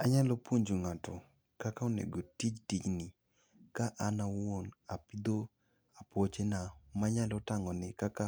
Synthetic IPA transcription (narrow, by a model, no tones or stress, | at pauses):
aɲalopwoɲd͡ʒoŋatɔ | kakaonḛɡotid͡ʒtit͡ʃnɪ | kaʔanawonapid̪o | apwot͡ʃenamaɲalotaŋɔnɪkaka